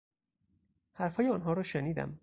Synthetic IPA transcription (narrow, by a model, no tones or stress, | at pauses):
hæɾfhɒːjeɒːnɦɒːɾɒːʃeniːd̪æ̰m